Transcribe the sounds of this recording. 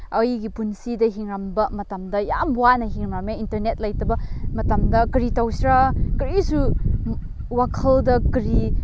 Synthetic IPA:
ɐjɡipunsidɐɦiŋɾambɐmɐtɐmdɐja̰mbwanɐɦiŋɾmameintɐɾnet̚lɐjtɐbɐmɐtɐmdɐkɾitɐwsɾakɾisu | wakʰɐldɐkɾi

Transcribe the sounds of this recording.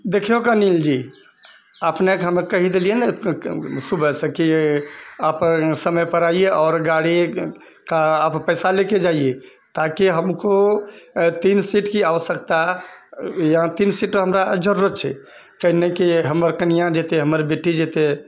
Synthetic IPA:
d̪ekʰeɦokanild͡ʒi | əpnekɦəmekəɦid̪elijenɛ | subəsə̃ki | apsəməjpəɾaieʔɔːɾɡaɽi | kappəɪsaleked͡ʒaie | t̪akiɦəmko | t̪insiʈkiaʋəsəkt̪a | jɦãt̪insiʈɦəmɾad͡ʒəɾuɾət̪̚t͡ʃʰɛ̰ | kəɦnekiɦəməɾkənijãd͡ʒet̪eɦəməɾbeʈid͡ʒet̪e

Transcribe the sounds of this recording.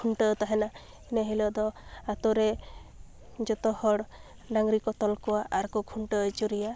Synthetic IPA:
kʰuɳʈət̪aɦena | eneɦelɔd̪ɔat̪ɔɾe | d͡ʒɔt̪ɔhɔɽ | ɖaŋɡɾikɔt̪ɔlkɔaʔaɾkɔkʰuɳʈət͡ʃuɾija

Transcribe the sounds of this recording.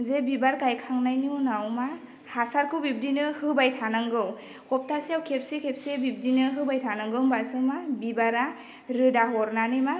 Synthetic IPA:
zebibaɾkajkʰaŋnajninawma | hasaɾkʰɯwbib̚dinɯhɯbajtʰanaŋɡɯw | kʰɔp̚tʰaseawkʰep̚sekʰep̚sebib̚dinɯɦɯbajtʰanɯŋɡɯmbasɯmabibaɾa | ɾɯdaɦɔɾnanɯma

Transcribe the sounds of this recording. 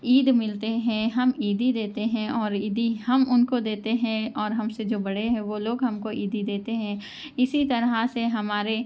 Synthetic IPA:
iːd̪mɪlt̪eɦɛ̃ɦɐmiːd̪ʱid̪eːt̪eɦɛ̃ɔːɾiːd̪ihɐmʊnkod̪eːt̪eɦɛ̃ɔːɾɦɐmsed͡ʒoːbɐɽ̤eɦɛ̃ʋoloːɡɦɐmkoʔiːd̪id̪eːt̪eɦɛ̃ː | ɪsit̪ɐɾɦaseɦɐmaːɾe

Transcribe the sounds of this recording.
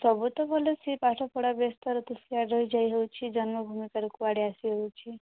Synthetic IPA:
sɔbut̪ɔbʱɔlesipaʈʰɔpɔɽabest̪ɔɾɔt̪uskiaɾəɦid͡ʒajɦewt͡ʃʰid͡ʒɔnmɔbʱumikaɾikuʋaɽiasiɦewt͡ʃʰi

